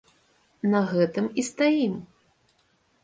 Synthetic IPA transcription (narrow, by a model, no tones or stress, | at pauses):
nɐɣɛt̪ɨmist̪ajim